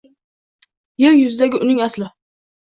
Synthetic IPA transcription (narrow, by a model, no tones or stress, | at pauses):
jeljʊzɪd̪aɡʲɪʊnɪŋaslɪ